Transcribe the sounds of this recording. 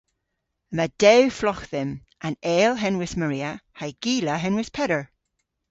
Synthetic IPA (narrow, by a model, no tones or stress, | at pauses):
məd̥ɛwflɔxðɪm | ʔãnɛːlˠɦɛnwɪsməɹiːəhaɪɡ̥iːləɦɛnwɪspʰɛɾə˞